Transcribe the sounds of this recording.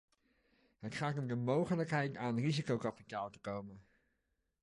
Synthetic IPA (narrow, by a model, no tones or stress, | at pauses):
ɦətχaːtɔdəmowχələkɦɛjtaːnrizikowkɑpitaːlˠtə̥kowmə